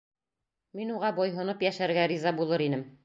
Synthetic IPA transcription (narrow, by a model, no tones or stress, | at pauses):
minuʁɑbɒjɦŏnɤpjæʃæɾɡæɾizɑbulˠɤɾinɘm